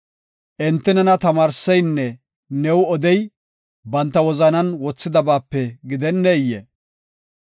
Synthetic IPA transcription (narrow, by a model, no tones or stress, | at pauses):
ʔɪnt̪ːɛnɛnɐt̪ɐmaːɾsɛjnːɛ | nɛwɔd̪ɛj | bɐnt̪ːɐwɔzɐnɐnwɔt͡sːɪd̪ɐbaːpːɛɡɪd̪ɛnːɛjːɛ̰